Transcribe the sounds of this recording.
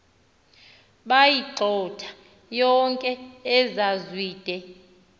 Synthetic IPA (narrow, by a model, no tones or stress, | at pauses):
ɓajiǀʱɔtʰḁ | jɔŋkʼɛɛzazwiːd̥ʱɛ